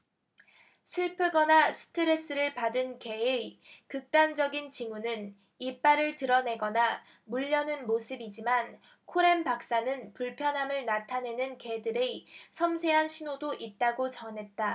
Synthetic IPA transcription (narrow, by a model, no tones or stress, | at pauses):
sʰɯɭpʰɯɡʌnasʰɯ̥tʰɯɾe̞s͈ɯɾɯɭpadɯnke̞ekɯk̚t͈and͡ʑʌɡint͡ɕiŋunɯn | ip͈aɾɯɭtɯɾʌne̞ɡʌna | muʎːʌnɯnmosʰɯbid͡ʑiman | kʰoɾe̞mpak̚s͈anɯnpuɭpʰjʌnɦamɯɭnatʰane̞nɯnke̞dɯɾesʰʌmsʰe̞ɦanɕʰinodoʔit̚t͈aɡot͡ɕʌnɦe̞t̚t͈a